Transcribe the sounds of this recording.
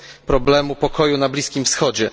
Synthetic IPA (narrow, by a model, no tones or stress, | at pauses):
pɾɔblɛmupɔkɔjunablʲiskʲimfsxɔd͡ʑɛ